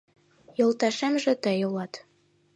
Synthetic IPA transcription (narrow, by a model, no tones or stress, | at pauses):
jɤ̆lˠt̪æʃæmʒɘ̆t̪æjŏlˠɑt̪